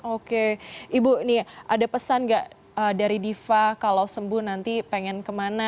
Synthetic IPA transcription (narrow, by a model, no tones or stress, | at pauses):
okeʔibunihʔadapəsanɡaʔ | əːdaɾidifakalawsəmbʊhnant̪ipeŋɛnkəmana